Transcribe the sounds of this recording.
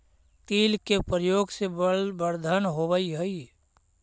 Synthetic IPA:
t̪iːlkepɾəjoːɡsebəɾd̪ʱənɦoʋəiɦəi

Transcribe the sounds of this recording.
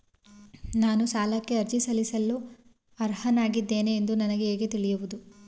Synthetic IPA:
naːnusaːlɐkːe̞ɐɾt͡ʃisɐlisɐlːu | ɐɾhɐnaːɡid̪ːe̞ːneːnd̪unɐnɐɡe̞eːɡet̪iɭijuʋud̪u

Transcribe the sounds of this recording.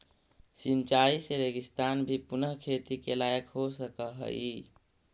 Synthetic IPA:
sint͡ʃaiseɾeɡist̪anbʱipunəɦkʰet̪ikelajəkɦosəkəɦə̰i

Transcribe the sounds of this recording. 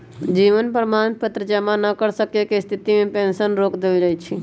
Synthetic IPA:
d͡ʒiʋənpɾəmant̪̚pət̪ɾəd͡ʒəmanəkəɾsəkekest̪ʰit̪imẽpensənɾoːkd̪eld͡ʒaːjt͡ʃʰi

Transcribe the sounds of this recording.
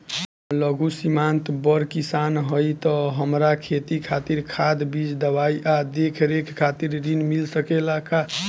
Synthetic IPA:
ləɡʱusimant̪bəɾkisanɦəjt̪ɔɦəmɾakʰet̪ikʰat̪iɾkʰad̪bid͡ʒd̪əbaiʔad̪ekʰɾekʰkʰːat̪iɾɾinmilsəkelaka

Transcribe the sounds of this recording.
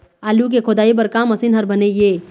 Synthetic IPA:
aːluk̬ekʰod̪aːip̬ɐɾkãːmɐsinɦɐɾbɐneɡeː

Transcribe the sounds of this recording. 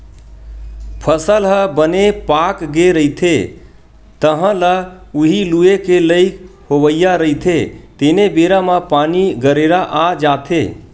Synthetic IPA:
pʰəsəlɦəbənepakɡeɾəit̪ʰe | t̪əɦə̃lə | uɦiluekeləɪkhobəjjaɾəit̪ʰet̪enebeɾamapaniɡəɾeɾaʔad͡ʒat̪ʰe

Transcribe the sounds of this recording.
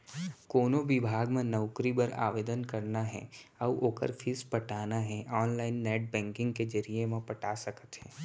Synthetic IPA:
koːnobɪbʱaːɡmẽnəʊkɾibəɾa̰ːʋeːd̪ənkɐɾnaɦɛ̰ɐʋʔoːkə̰ɾfʰiːspɐʈaːnaɦɛ̃ʔɔːnlaːɪnːɛːʈ̚bɛ̃ːŋkɪ̃ŋɡked͡ʒəɾijemẽpɐʈaːsɐkət̪ɦɛ̃ː

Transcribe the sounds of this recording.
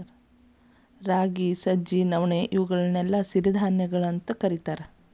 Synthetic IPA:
ɾ | ɾaːɡisɐd͡ʒinɐʋɳeʔiʋuɡɐɭɐnɛlːɐsiɾid̪ʱaːnjɐɡɐɭɐnt̪ɐkɐɾit̪aːɾe

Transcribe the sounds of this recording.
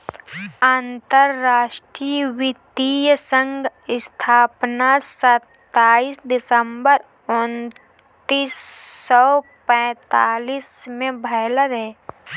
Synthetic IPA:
aːnt̪əɾːaːʃʈɾiʋɪt̪ijsə̃ŋɡɪst̪ʰaːpnasət̪ːaːiːsd̪ɪsəmbəɾ | ʊn | t̪iːsːɔ | pɛ̃ːt̪aːliːsmẽbʱəɪləɾɦɛː

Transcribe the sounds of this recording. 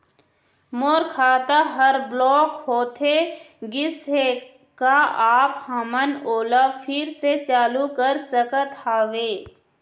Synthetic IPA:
moːɾkʰaːt̪aɦɐɾblɔːkhoːt̪ʰe | ɡɪse | kaaːphɐmənoːlafʰɪɾset͡ʃaːlukəɾsəkət̪haːʋeː

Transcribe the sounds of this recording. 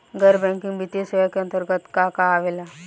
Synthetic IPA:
ɡəɾbɛ̃ŋkĩŋɡbit̪esəʋəkə̃nt̪əɾɡət̪kakaːʋela

